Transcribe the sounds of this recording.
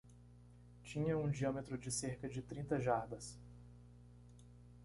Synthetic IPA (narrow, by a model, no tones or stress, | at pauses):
t͡ʃĩɲɐũd͡ʒiɐ̃met̪ɾʊd͡ʒɪseɾkɐd͡ʒɪt̪ɾĩnt̪ɐʒaɾbɐs